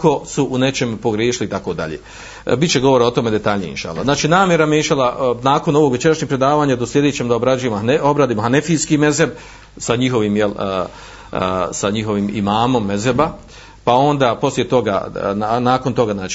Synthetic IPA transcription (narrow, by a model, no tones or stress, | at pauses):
ko̞suʔune̞t͡ʃe̞mpo̞ɡɾjeːʃilit̪ako̞d̪a̰ʎḛ | bit̪t͡ɕt͡ʃe̞ɡo̞ʋoɾaot̪o̞me̞d̪e̞t̪aʎɲijeḭnʃa̰ːlˠa̰znaːt͡ʃiːnaːmjeɾamjeinʃalanaːko̞noʋoɡʋe̞t͡ʃe̞ɾaʃɲekpɾe̞d̪aːʋaːɲad̪oslje̞d̪et͡ɕemod̪aobɾad͡ʒujemoo̞bɾaːd̪iːmoɦanefiːskime̞zeb | saɲixo̞ʋiːmjel | saɲixo̞ʋimḭmaːmo̞mːe̞zeba | pao̞nd̪aːpo̞slʲje̞t̪o̞ɡa̰anaːkont̪o̞ɡaznaːt͡ʃi